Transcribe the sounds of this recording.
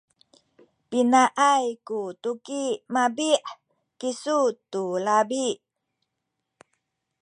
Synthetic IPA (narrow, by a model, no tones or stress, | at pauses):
pinaʔajkutukimabiʔ | kisutulabi